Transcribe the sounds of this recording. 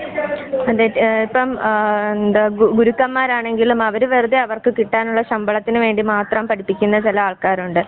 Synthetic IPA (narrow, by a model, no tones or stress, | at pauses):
ɐðeipːɐmnd̪aɡuɾukːɐmːaːɾaːɳe̞ŋɡilumɐʋɐɾuʋerud̪eɐʋɐrkɨkiʈːaːnuɭːɐɕɐmbɐɭɐt̪ːinɨʋe̞ːɳɖimaːt̪rɐmpɐʈʰipːikʲːunːɐt͡ɕilɐaːɭkaːɾuɳɖɨ